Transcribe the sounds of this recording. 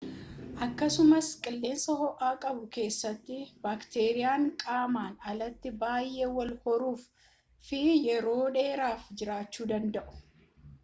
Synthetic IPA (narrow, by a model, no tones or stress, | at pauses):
ʔɐkːɐsʊmɐskʼɪlːe̞ːnsɐhɔʔaːkʼɐbʊke̞ːsːɐt̪ːɪbaːkt̪e̞ːɾɪjaːŋkʼaːmaːnɐlɐt̪ːɪbaːjʔe̞ːwɐlhɔɾuːf | fɪjɛɾo̞ːᶑe̞ːɾaːfd͡ʒɪɾaːt͡ʃːuːd̪ɐnd̪ɐʔʊ̥